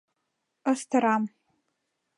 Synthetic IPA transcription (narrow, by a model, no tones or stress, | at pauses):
əstʰɐɾaːm